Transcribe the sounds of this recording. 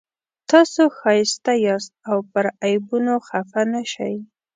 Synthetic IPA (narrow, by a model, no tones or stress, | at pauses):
t̪ɑsoxɑjɪst̪ajɑst̪̚awpəɾajbunoxafanaʃa̰j